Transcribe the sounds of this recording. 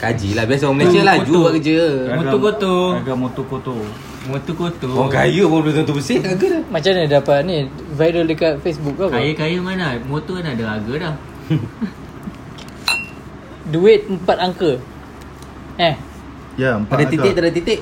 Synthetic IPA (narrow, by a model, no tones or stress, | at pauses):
kad͡ʒilahbias̬aaməlesəlahd͡ʒubakəd͡ʒəamoɡ̪okot̪oaɡamot̪okot̪o | mot̪okot̪oɔka̰jumobet̪ɔnt̪ubəsɪhaɡadamat͡ʃamnidapat̪̚ni | vajdələkat̪̚fesbuk̚ːakajəkajəmanamot̪oanadaaɡədah | duɪt̪̚əmpat̪̚aŋkə | ɛ | japadaiɪk̚t̪adat̪it̪ɪʔ